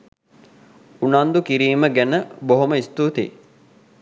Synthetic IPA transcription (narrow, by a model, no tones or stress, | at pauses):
unand̪ukiɾiːməɡænəboɦoməist̪uːt̪ḛː